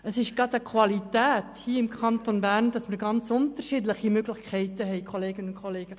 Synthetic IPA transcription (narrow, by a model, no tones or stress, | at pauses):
əsɪʃɡɑdəkʰʋɑlitæːthiːəɪmkʰɑntonbærndɑsmərɡɑnt͡sʊntərʃidləχimøɡlɪχkʰɛɪtəɦɛɪkʰoleːɡənʊnkʰχoleːɡ̥ə